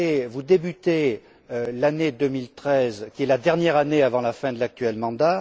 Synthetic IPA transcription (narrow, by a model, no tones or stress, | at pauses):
evud̪ebyt̪e | ølaned̪ømilt̪χɛzkʲiɛlad̪ɛʁnjɛʁaneavɑ̃lafɛ̃d̪əlak̚t̪ɥɛlmɑ̃d̪a